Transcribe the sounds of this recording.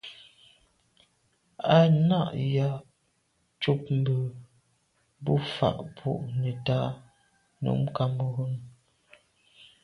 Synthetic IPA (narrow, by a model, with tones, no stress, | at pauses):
a˦na˦˨ʔja˦ | t͡ʃu˦p̚m̩˨bə˨ | bu˦fa̰˨ʔpʰṵ˦˨ʔnɛ˨ta˦ | nṵ˨˦m˦ka˦mə˦ɣo˦n